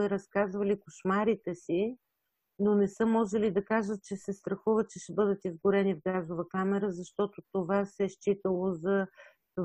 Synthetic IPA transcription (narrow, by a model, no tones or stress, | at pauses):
ɛɾɐskazvɐlikoʃmaɾit̪ɛsi | nonɛsɤmɔʒɛlid̪ɐkaʒət̪̚t͡ʃɛsɛst̪ɾɐxuvət̪̚t͡ʃɛʃɛbɤd̪ət̪izɡʊɾɛnivɡazovəkamɛɾəzɐʃt̪ɔt̪ot̪ovasɛʃt͡ʃit̪əlˠozɐ